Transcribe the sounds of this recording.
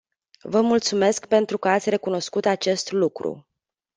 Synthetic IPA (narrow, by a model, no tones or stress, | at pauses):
vəmult̪sume̞skpe̞nt̪ɾukəat̪sʲre̞kuno̞skut̪at͡ʃe̞st̪lukɾṵ